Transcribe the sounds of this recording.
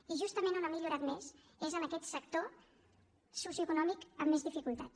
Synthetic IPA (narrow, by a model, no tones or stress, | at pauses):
iʒust̪əmenunəmiʎuɾat̪mez | ezənəkɛt̪səkt̪o | susjuəkunɔmikəmːezðifikulˠt̪at̪